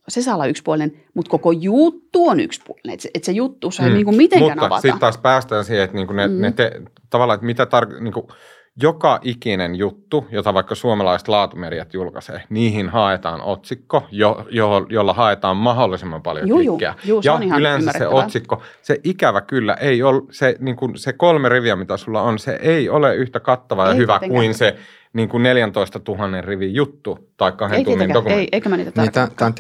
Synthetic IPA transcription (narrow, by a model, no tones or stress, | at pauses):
sesɑːlɑykspuolinen | mut̪kokojut̪ːuony̰kspulinḛḛt̪set̪sejut̪ːusniːŋkummit̪ẽŋmuænɑɑɑ̰sitɑt̪ɑːspæːst̪æːnsiheet̪niːŋkunenet̪e | t̪ɑʋɑlːˑɑːet̪mit̪æt̪ɑrkniːŋku | jokɑʔikinenjut̪ːujot̪ɑʋɑikːɑsuomɑlɑist̪lɑːt̪umerijæt̪julkɑsḛːniːhinhɑet̪ɑːno̰t̪sikːojojojolːɑhɑet̪ɑːmmɑɦolːisemːɑmpɑljo̰ikːeæ̰jɑylensssḛʔosikːoseʔikæʋækylːæ̰ʔeiolseniːŋkunsekolmeriʋiæmit̪æsulːɑonsḛʔeioleyht̪ækɑt̪ːɑʋɑjɑhyʋækkkuinse | niːŋkunneljænt̪oist̪ɑt̪uhɑnːerriʋijjut̪ːut̪ɑikːɑhet̪umːendokumenit̪æt̪æn